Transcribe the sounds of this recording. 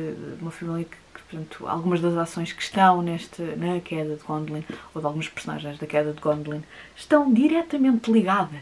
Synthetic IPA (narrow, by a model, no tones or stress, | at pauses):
umɐfɐmilˠjɐkɨ̥pɾt̪ɐ̃nt̪ʰua̰lˠɣumɐʒðɐzasõj̃ʃkɨ̥ʃt̪ɐ̃w̃nɛʃt̪ɐnɐkʰɛðɐðɨɣõnd̪lˠĩnoðalˠɣumɐʃpɨɾsuna̰ʒɐ̃j̃ʒðɐkɛðɐd̪ɣõnd̪lˠĩnʃt̪ɐ̃w̃d̪iɾɛt̪ɐmẽnt̪lˠiɣaðɐ